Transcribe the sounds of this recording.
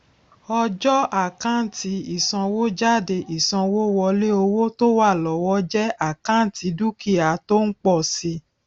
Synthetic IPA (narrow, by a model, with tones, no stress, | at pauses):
ɔ˧d͡ʒɔ˦a˦˨kã˦n̩˦˨ti˧˦i˨sã˧wo˦d͡ʒa˦˨de˧ʔi˨sã˧wo˦wɔ˧le˦o˧wo˦to˦wa˦˨lɔ˨wɔ˦d͡ʒɛ˦a˦˨kã˦n˨tʰi˨˧˦du˦ki˦˨a˨to˦n̩˦k͡pɔ˦˨si˧